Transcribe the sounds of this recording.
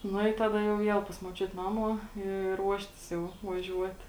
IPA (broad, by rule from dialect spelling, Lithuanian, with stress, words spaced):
ˈnʊ ɪ ˈtɑːdɐ jɛʊ ˈʋʲiɛlˠ pɐs muɔˈt͡ʃʲʊt ˈnɑːmuɔ ɪ ˈruɔʃʲtʲɪs jɛʊ ʋɐˈʒʲuɔt